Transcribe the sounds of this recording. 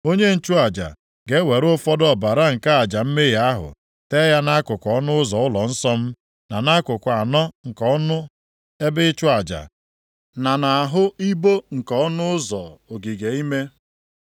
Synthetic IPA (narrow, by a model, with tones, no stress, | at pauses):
o˦ɲe˦n̩˦t͡ʃʊ˦a˨d͡ʒa̰˨ | ɡe˦we˨ɾʊ˦fɔ˦dɔ˦˨ba˨ɾa˦ŋ̩˨ka˦a˨d͡ʒa˨m̩˦me˦ja˦ɦʊ̰˨ | te˦ja˦na˦kʊ˨kʷɔ˦nʊ˦ʊ˦zɔ˨ʊ˦lɔ˨n̩˦sɔ˦m̩˦ | na˨na˦kʊ˨kʷa˨nɔ˦ŋ̩˨kɔ˦ɔ˦nʊ˦ | e˦bɪ˦t͡ʃʊ˦a˨d͡ʒa̰˨ | na˨na˨a˨ɦʊ˦i˦bo˦ŋ̩˨kɔ˨ɔ˦nʊ˦ʊ˦zɔ̰˨o˨ɡi˨ɡe˨i˦me˦